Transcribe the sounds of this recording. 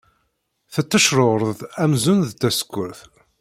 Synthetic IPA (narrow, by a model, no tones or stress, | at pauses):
θət̪ːəʃɾoɾˤəðæmzʊnðt̪ːæsə̥kːʊɾθ